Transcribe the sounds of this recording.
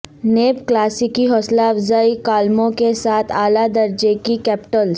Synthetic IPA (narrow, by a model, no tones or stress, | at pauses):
neːpklaːsikiɦɔːslaɐʋzaːikaːlmõkesaːt̪ʰaːlad̪ɐɾd͡ʒekikɛːpɪ̥ʈəls